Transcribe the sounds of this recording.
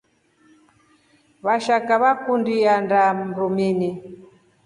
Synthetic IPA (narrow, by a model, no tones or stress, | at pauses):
βaʃakaβakundiandaɾumini